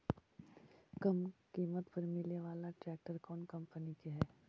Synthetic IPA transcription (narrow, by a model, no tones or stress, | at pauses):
kɐmkiːmət̪pɐɾmɪlneʋaːlaʈɾɛːk̚ʈəɾkɔːnkɐ̃mpənikeɦɛː